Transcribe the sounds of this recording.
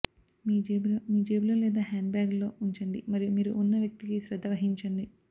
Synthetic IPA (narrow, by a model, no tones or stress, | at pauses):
miːd͡ʒeːblomiːd͡ʒeːbuloːlɛːd̪aːɦaːɳɖbjaːɡlo̞ːuɲt͡ʃɐɳɖḭmɐɾijumiːɾuʔunːɐʋjɐk̚t̪ikisɾɐd̪ʱːɐʋɐɦiɲt͡ʃɐɳɖi